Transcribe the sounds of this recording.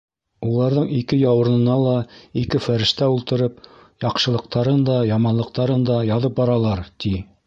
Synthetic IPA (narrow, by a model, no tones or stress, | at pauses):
ulˠɑɾðɤɴikɘjɑwɤ̆ɾnɤ̆nɑlˠɑikɘfæɾɘ̆ʃt̪æulˠt̪ɤ̆ɾɤp̚ | jɑqʃɤ̆lˠɤ̆q̚t̪ɑɾɤnd̪ɑjɑmɑnlˠɤ̆q̚t̪ɑɾɤnd̪ɑjɑðɤp̚bɑɾɑlˠɑɾt̪i